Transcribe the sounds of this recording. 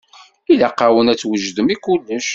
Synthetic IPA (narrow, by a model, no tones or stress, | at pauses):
ilaqːawənæt͡sːwəʒd̪əmikulːəʃ